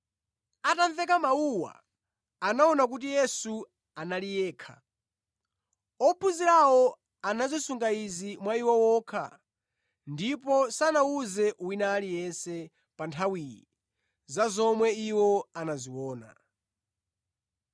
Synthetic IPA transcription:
atanθɛk̬amauwa̰ː | naɔnak̬ut̬ijɛsu | analijɛːkʰa̰ | ɔpʰuziɾawɔ | anazisuŋɡaizimwaiwɔwɔːkʰa̰ | ndipɔsanawuzɛʔuwinalijɛnsɛ | pantʰawiːjḭ | zazɔmwɛiwɔanaziwɔːna̰

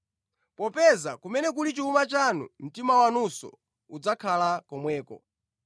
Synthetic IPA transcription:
pɔpɛzakumɛnɛk̬ulit͡ʃiumat͡ʃanṵm̩timawanusɔ̰ | ud͡zakʰalakɔmwɛːkɔ̰

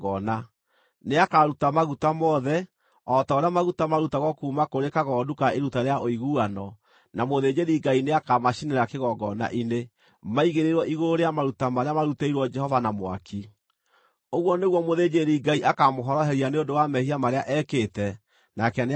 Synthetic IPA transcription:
ɔna | neakaɾutamaɣutamɔðɛ | ɔtaoɾeamaɣutamaɾutaɣɔkuːmakoɾekaɣɔːdukaeɾutaɾeaʔoiɣuanɔ | namoðed͡ʒeɾiɡaineakamaʃineɾakeɣɔɡɔna̰ʔine | maiɣeɾeɾwɔʔiɣoɾoɾeamaɾutamaɾeamaɾuteiɾwɔd͡ʒɛhɔvanamwa̰ki | oɣwɔneɣwɔmoðed͡ʒeɾiɡaiʔakamoɦɔɾɔɦɛɾianeondowamɛhiamaɾeaʔɛkeːtɛ | nakɛn

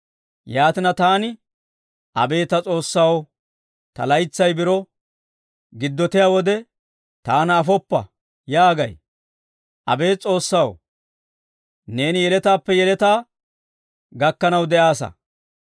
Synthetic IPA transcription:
jaːt̪ɪnɐt̪aːnɪ | ʔɐ̰be̞ːt̪ɐt͡sʼo̞ːsːaw | t̪ɐ̰lɐjt͡sːɐjbɪɾɔ | ɡɪd̪ːɔt̪ɪjaːwɔd̪ɛ | t̪aːnːfɔpːɐ̰ | jaːɡɐj | ʔɐ̰be̞ːt͡sʼo̞ːsːaw | ne̞ːnɪjɛlɛt̪aːpːɛjɛlɛt̪aː | ɡɐkːɐnɐwd̪ɛʔaːsɐ̰

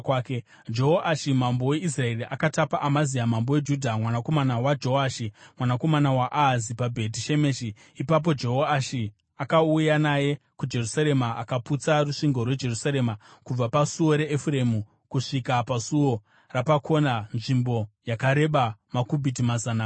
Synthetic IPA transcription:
ke | d͡ʒo̞ɦoʔaʃimambo̞we̞is̬rae̞riʔakatapaʔamazijamambowe̞d͡ʒudʱamwanako̞manawad͡ʒo̞aʃimwanako̞manawaʔazipabʱe̞t̬iʃe̞meːʃiː | pap̬o̞d͡ʒe̞ɦoaʃi | akaujanaje̞ | kud͡ʒe̞rusaɾe̞maakaput͡saruʂiŋɡo̞rwe̞d͡ʒe̞rusaɾe̞ːmakub͡vapasuwo̞ɾe̞ːfre̞mu | kuʂikapasuwo̞ | rapakʰo̞nanʐimbo̞jakaɾe̞ɓamakubʱit̬imazana

